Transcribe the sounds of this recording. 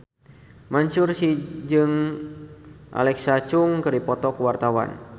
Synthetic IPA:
maɲt͡ʃʊrsid͡ʒɨŋ | ʔa̰lɛksat͡ʃuŋkɨripɔt̪ɔkəwart̪awa̰n

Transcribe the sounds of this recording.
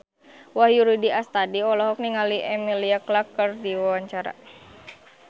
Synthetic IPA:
wahjuɾidiast̪adiɔlɔɦɔk̚niŋaliʔɛmiliaklakːərdiwawaɲt͡ʃaɾa̰

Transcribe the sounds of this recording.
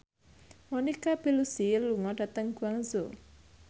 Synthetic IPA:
monikab̥i̤lusiluŋɔd̥ä̤t̪əŋɡ̥uaŋzo

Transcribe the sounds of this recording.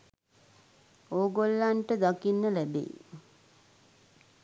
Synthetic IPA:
oːɡolːaɳʈəd̪akinːəlæbḛ

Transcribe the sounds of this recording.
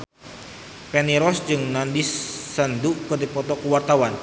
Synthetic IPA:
pɛniɾɔsd͡ʒɨŋnandisːanduʔkɨrdipɔt̪ɔkuwart̪awan

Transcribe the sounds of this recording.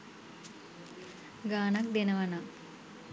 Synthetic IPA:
ɡaːnɐk̚d̪enɐʋɐna

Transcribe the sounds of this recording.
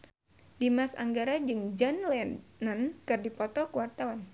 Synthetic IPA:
dimasa̰ŋɡaɾad͡ʒɨŋd͡ʒanlɛnənkɨrdipɔt̪ɔkuwart̪awan

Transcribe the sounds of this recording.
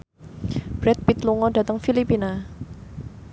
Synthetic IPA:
b̥ɾɛt̪̚pit̪luŋɔda̤t̪əŋfilipina

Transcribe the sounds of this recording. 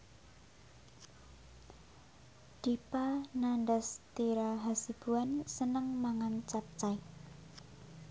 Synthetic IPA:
d̪̥ipananɖəst̪iɾaɦasib̥ṳansənəŋmaŋant͡ʃap̚t͡ʃai

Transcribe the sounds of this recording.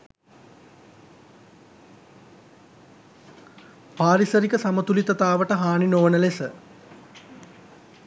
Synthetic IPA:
paːɾisəɾikəsamət̪ulit̪ɐt̪aːʋəʈəɦaːninoːnəlesə

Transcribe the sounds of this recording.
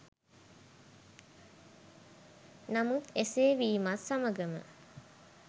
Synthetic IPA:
namut̪eseːʋiːmatsaməɡəmə̰

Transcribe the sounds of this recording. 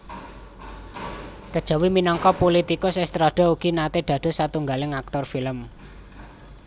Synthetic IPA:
kəd̥ʒ̥a̤wiminɔŋkɔpolit̪ikʊsɛst̪ɾaɖ̥ɔ̤uɡ̥inat̪eɖ̪̥ä̤ɖ̥o̤sat̪uŋɡalɪŋak̚t̪ɔrfiləm

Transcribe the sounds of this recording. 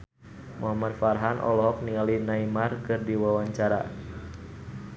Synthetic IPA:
mʔɔamanfarɦanʔɔ̰lɔɦɔk̚niŋalinaimarkɨrdiwawaɲt͡ʃaɾa̰

